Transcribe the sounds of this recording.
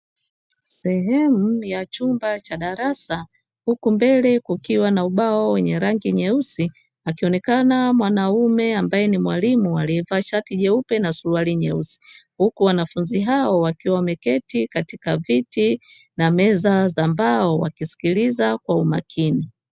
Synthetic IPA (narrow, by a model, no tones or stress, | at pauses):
sɛɦɛmujat͡ʃumbat͡ʃaɗaɾasa | hukumbɛlɛkukiwanauɓaɔwɛɲɛɾaŋɡiɲɛusi | akiɔnɛkanamwanaumɛambajɛnimwalimualiɛvaʃatiʄɛupɛnasualiɲɛusi̥hukuwanafunziɦaɔwakiwamɛkɛtikatikaviti | namɛzazambaɔwa̰kisi̥kilizakwaumakʰini